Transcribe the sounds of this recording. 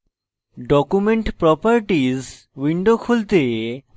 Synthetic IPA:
ɖɔkumeɳʈpɾɔpaɾʈiz | wiɳɖokʰult̪e

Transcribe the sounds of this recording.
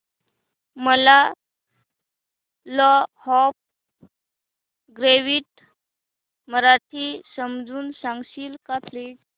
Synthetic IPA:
məla | lɔhɔp̚ | ɡɾeʋiːʈ | məɾaʈʰisəmd͡zuːnsãŋɡɕiːlkap̪ʰliːʈ

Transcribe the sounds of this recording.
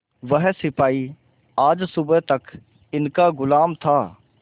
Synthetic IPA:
ʋəɦsɪpaːi | aːd͡ʒsʊbət̪ɐk | ɪnkaɡʊlaːmt̪ʰaː

